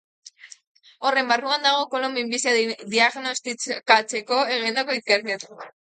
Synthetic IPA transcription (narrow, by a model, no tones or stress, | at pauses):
o̞re̞mbaruand̪aɣ̞o̞ko̞lo̞mbimbisiad̪iaɣno̞st̪it͡skat͡se̞ko̞e̞ɣind̪ako̞ikeɾke̞t̪u